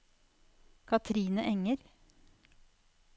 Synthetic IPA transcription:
kʰɑt̪ʰɾiːnəʔɛŋəɾ

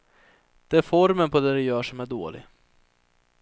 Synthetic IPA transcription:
d̪̥ɛæɾfɔɾmənpʰɔd̪ɛːɾɛjœːʂɔmæɖo̰ːlɪ̰ɡ

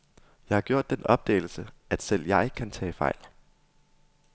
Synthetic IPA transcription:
jɑ̈ɪhɑ̈ɡ̥jo̝ɐ̰d̥ːenɒ̽b̥̚d̥ḛːl̩səʔæd̥sel̰jɑ̈ɪkʰænt͡sʰɛ̰ːfɑ̈ɪ̰l

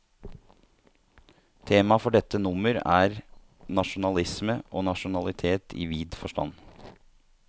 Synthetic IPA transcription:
t̪ʰeːmɑfɔɖɛt̪ːənʊməɾæːɾ | nɑʂʊnɑlɪsməʔoːnɑʃʊnɑlɪt̪ʰeːt̪ʰḭːʋiːd̪fɔʂʈɑ̰n

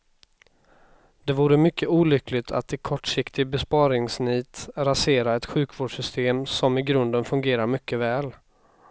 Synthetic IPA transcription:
d̪ɛvuːɾəmʏkːəuːlʏkʰlɪt̪ʰa̰t̪ːɪkʰɔʈʂɪkt̪ɪɡbɛspɑːɾɪŋsniːt̪ɾaseːɾaɛt̪ɧʉ̟ːkvoːɖʂʏst̪ʰeːmsɔmɪɡɾɵnd̪ənfɵŋɡeːɾaɾmʏkːəvɛːl

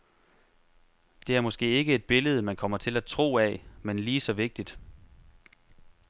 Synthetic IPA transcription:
d̥e̝æɐmɒ̽sɡ̥e̝̰ːe̝ɡ̥əe̝d̥̚b̥e̝ləð̞ˠəmænkʰɒ̽m̰ɐt͡sʰe̝læt͡sʰʁo̝̰ːæmenliːsɒ̽ʋe̝ɡ̥̚d̥id̥

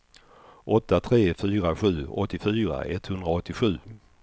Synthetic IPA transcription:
ʔɔt̪ːat̪ʰɾeːfyːɾaɧʉ̟ːɔt̪ːɪfyːɾa̰ʔɛt̪hɵnd̪ɾaɔt̪ːɪɧʉ̟ː

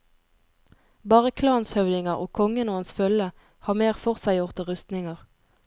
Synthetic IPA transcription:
bɑːʁəkʰlɑːnshœʋd̪ɪŋəʁo̰ːkʰɔŋənoːənsfœlə | hɑːmeːʁfɔʁsæɪjʊʁt̪əʁʉst̪nɪŋɑʁ

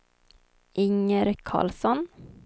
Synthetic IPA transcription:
ʔɪŋəɾkʰɑ̰ːlsɔn

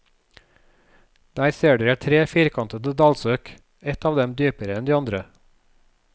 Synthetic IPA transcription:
d̪̥æːɾseːɖʉːæːt̪ʰɾeːfiːɾkʰɑnt̪əd̪əd̪ɑlsøːk | ɛt̪ɑːʋd̪ɛmd̪yːpəɾəɛnd̪iːɑnd̪ɾə

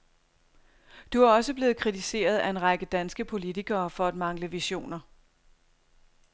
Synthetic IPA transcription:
d̥uæ̈ɒ̽səb̥le̝ːð̩ˠkʰʁit͡sʰise̝̰ːɐð̞̩ˠæe̝nʁɑ̈ɡ̥əd̥ænsɡ̥əpʰo̝lit͡sʰiɡ̥ɐːfɒ̽æd̥mɑ̈ŋləʋiɕo̝̰ːnɐ

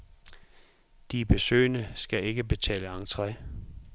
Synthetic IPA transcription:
d̥ib̥e̝sø̰ːnəsɡ̥æe̝ɡ̥əb̥e̝t͡sʰɛ̰ːləɑ̈ŋt͡sʰʁɛ

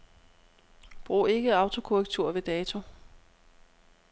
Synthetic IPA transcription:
b̥ʁṵːe̝ɡ̥əɑ̈ʊt͡sʰo̝kʰoʁɛɡ̥t͡sʰuɐ̰ʋe̝d̥ɛːt͡sʰo̝

